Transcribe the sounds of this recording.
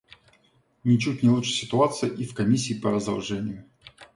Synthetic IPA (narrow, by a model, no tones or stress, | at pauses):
nʲɪt͡ɕutʲnʲɪlˠut͡ʂʂɨ̥sʲɪt̪ʊat̪sɨjʔifkɐmʲisʲːiːpəɾəzd̪ɐlˠʐɛnʲɪjʊ